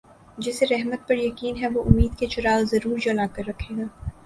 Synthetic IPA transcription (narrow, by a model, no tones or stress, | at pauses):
d͡ʒɪseɾɛɦmət̪̚pɐɾjɐkiːnɦɛʋoːʔʊmːiːd̪ket͡ʃʊɾaːlzɐɾuːɾd͡ʒɐlaːkɐɾːɐkʰːeːɡaː